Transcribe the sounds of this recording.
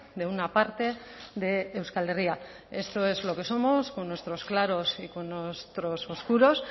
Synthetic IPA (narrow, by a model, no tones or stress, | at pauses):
ðe̞unapaɾt̪e̞ðe̞ːwskale̞ria | e̞st̪o̞e̞zlo̞ke̞so̞mo̞skonːwe̞st̪ɾo̞sklaɾo̞sikonːest̪ɾososkuɾo̞s